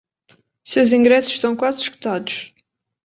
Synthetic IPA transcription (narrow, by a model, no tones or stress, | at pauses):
sewzĩŋɡɾɛsʊ̥ʃt̪ɐ̃w̃kwazʃku̥t̪ad̪ʊʃ